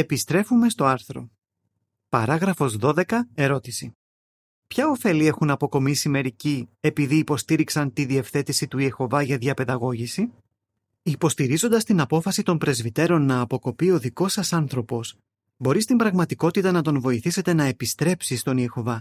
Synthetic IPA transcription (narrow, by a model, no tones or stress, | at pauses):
e̞pist̪ɾe̞fume̞st̪o̞ɐɾθɾo̞̰ | pɐɾɐɣɾɐfo̞zðo̞ðe̞kɐe̞ɾo̞t̪isi | pçɐo̞fe̞lie̞xunɐpo̞ko̞misime̞ɾicie̞piðiːpo̞st̪iɾiksɐnt̪iðie̞fθe̞t̪isit̪uie̞xo̞vɐʝɐðʝɐpe̞ðɐɣo̞ʝisi | ipo̞st̪iɾizo̞nd̪ɐst̪inɐpo̞fɐsit̪o̞mpɾe̞zvit̪e̞ɾo̞nːɐːpo̞ko̞pio̞ðiko̞sɐsɐnθɾo̞po̞s | bo̞ɾist̪imbɾɐɣmɐt̪iko̞t̪it̪ɐnɐt̪o̞nvo̞iθise̞t̪e̞nɐe̞pist̪ɾe̞psist̪o̞niexo̞vɐ